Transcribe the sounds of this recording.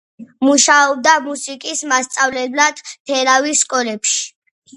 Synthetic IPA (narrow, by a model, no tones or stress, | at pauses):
muʃaɔb̚d̪amusikʼismast̪sʼavlɛblad̪̥pʰɛɾaviskʼɔlɛpʃi̥